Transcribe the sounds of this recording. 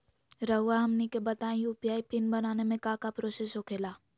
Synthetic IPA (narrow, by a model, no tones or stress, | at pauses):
ɾəʊaɦɐmnikebɐt̪aːĩjuːpijaːipinbɐnaːnemẽkaːkapɾoːsesɦokʰeːlaː